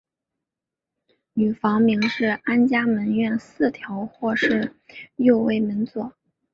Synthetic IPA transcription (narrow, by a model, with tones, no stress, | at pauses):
ny˨˩fɑ˧˥ŋmi˧˥ŋʂɻ̩˥˩a˥nt͡ɕja˥mə˧˥nɥɛ˥˧nsɹ̩˥˩t̪ʰjɑ˧˥ʊxwɔ˥˧ʂɻ̩˥˧jo˥˧ʊwe˥˩ɪmə˧˥nt͡swɔ˥˩